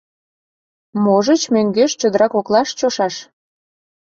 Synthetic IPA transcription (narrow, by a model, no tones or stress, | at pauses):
moʒət͡ɕmøŋɡeʃt͡ɕəd̪əɾɑkoklɑʃt͡ɕoʃɑʃ